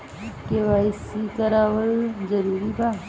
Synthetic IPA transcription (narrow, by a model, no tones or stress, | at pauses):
keʋaːisikəɾaːʋəɭd͡ʒəɾuːɾiba